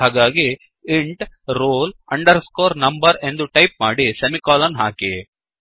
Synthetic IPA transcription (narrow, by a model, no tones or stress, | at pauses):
aːɡaːɡi | iɳʈɾoːlɐɳɖɐɾskoːɾnɐmbɐɾe̞nd̪uʈɐjp̚maːɽisɐmikaːlɐnɦa̰ːki